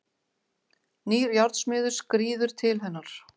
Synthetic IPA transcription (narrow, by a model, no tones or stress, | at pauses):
niːɾjawɾt̪smɪːðʏɾ̥skɾiːðʏɾ̥t̪ʰɪlɦɛnːaɾ̥